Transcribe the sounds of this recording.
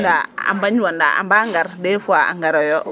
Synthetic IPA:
daa̰mbaɲanda̰a̰mbaŋɡaɾdɛfuaa̰ŋɡaɾɔjɔ

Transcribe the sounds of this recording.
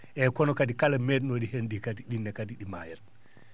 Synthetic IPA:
ʔɛkɔnɔkadikalamɛd̚noɗihenɗikatiɗinːɛkatiɗima̰jɛɾ

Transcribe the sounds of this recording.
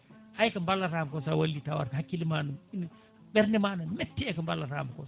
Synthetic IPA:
hajkɐmbalːɐɾaːmkɔsawɐlːitawa̰ɾɦakːilimaːnumin | bɛɾnimaːnɐmetːiɛkɐmbalːaɾa̰ːmkɔ

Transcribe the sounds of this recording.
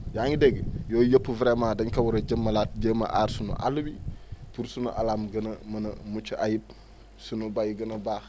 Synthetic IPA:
jaːŋideɡjoːjəpːuvɾemaːdɐɲkɐwuɾɐɟəmːɐlaːt̚ɟəmɐ̰ʔa̰ːɾsunṵʔa̰lubipuɾsunṵʔa̰laːmɡɐnɐmɐnɐ̰mut͡ʃajip̚ | sunubajɡɐnɐbaːx

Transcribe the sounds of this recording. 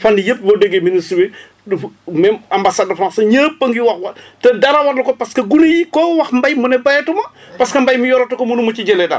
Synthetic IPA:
fɐndijəp̚bodəɡeminiswɛ | mɛmɐmbasadɐfɾansɐɲɐːpːəŋɡiwɐxwɐtɛdɐɾɐwɐɾlukɔpɐskɐɡunijikɔːwɐxmbɐjmunɛbɐɛtumɐ | pɐskɐmbɐjmujɔːɾɐtukɔmunumut͡ʃiɟɛlɛdɐ̰

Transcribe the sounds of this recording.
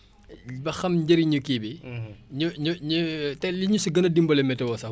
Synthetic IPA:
bɐxɐmɟɐɾiɲukibiɲuɲuɲutɛliɲusuɡɐnɐdimbɐlɛmɛtɛwɔsɐ

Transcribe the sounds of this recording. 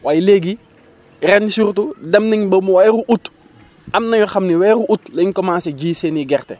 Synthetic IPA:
waːjleɡi | rɛnsuɾtudɐmnɐɲbɐmwajɾuʔut | ɐmnɐɲɔxɐmniwɛːɾuʔutlɐɲkɔmãːnsɛɟiːseːniɡɛrtɛ

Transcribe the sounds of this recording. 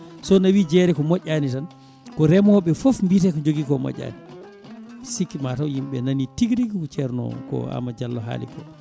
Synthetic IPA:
sɔnawid͡ʒɛɾɛkɔmɔʔʲːanitan | kɔɾɛmhɔɓɛfofmbitɛkɔd͡ʒoɡikɔmɔ̰ɟʲːa̰ːni | sikːimatawhimɓɛnanitiɡɾiɡikɔt͡ʃɛɾnɔ̰kɔ̰a̰mːad͡ʒalːɔɦa̰ːlḭkɔ̰

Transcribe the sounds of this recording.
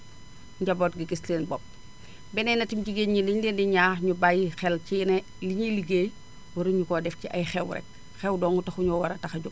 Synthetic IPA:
ɲɟɐboːtɡiɡislenbɔp̚ | bɛnɛnɐtimɟiɡeɲɲiliɲlindiɲaːxɲubajixɛlcine | liɲiliɡeːj | wɐɾuɲukɔdɛfciʔɐjxɛwɾɛ̰k̚ | xɛwdɔːŋutɐxuɲɔwɐɾɐtɐxɐɟuk̚

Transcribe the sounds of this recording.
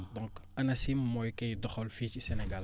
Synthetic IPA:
dɔ̃ŋkɐnɐsimmɔjkɐjdɔxɔlficisɛnɛɡal

